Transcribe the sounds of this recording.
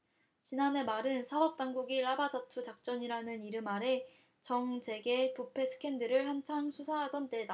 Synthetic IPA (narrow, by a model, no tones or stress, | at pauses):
t͡ɕinane̞maɾɯnsʰabʌp̚t͈aŋɡuɡiɭabad͡ʑatʰut͡ɕak̚t͡ɕ͈ʌɲiɾanɯniɾɯmaɾe̞ | t͡ɕʌŋt͡ɕe̞ɡe̞pupʰe̞sʰɯ̥kʰe̞ndɯɾɯɭhant͡ɕʰaŋsʰusʰaɦasʌnt͈e̞da